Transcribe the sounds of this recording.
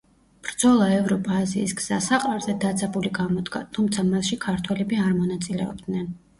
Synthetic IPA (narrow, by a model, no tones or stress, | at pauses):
b̥ɾd̪z̥ɔlˠaɛvɾɔpʰʼaːziːsɡz̥asaqʼaɾzɛd̪ad̪zabuliɡamɔd̪ɡa̰t̪ʰumt̪sʰamasʃikʰaɾt̪ʰwɛlɛbiaɾmɔnat̪sʼilɛ̰ɔ̰b̚d̪nɛn